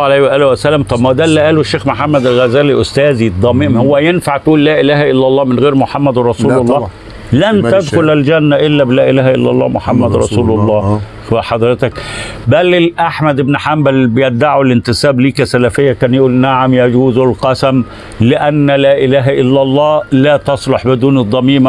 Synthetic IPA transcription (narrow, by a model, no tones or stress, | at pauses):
ʕalæhwæʔæːlwæsælːæmt̪ˤɑbmæwd̪ælːiʔæːloʃːeːxmoħamːæd̪ælɣæzæːliʔost̪æːzid̪ˤːɑmeʔmhowːæjenfaʕt̪ʔuːllæːʔelæːhæʔɪlːɑlˤːɑːmenɣeːɾmoħamːæd̪rˤɑsuːlolˤːɑː | lænt̪æd̪xʊlæld͡ʒænːæʔɪlːæbelæːʔelæːhæʔelːɑ̰lˤːɑ̰ːmoħamːæd̪ɾˤɑ̰suːlolˤːɑː | xæħɑd̪ˤɾɪt̪ækbælːɪlʔaħmæd̪ɪbnħambælbejɪd̪aʕulɪnt̪ɪsæːbliːkæsælæfɪjːækæːnjʔuːlnaʕamjæd͡ʒuːzɪlqɑsæm | lɪʔænːlæːʔɪlæːɦæʔɪlːælˤːɑːlæːt̪ɑsˤloħbɪd̪uːned̪ˤːɑmiːm